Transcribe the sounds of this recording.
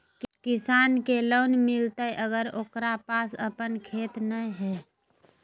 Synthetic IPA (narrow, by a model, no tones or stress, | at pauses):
kɪsaːnkeloːnmɪlt̪əʔəɡəɾoːkɾapaːsəpənkʰeːt̪nəɦɛː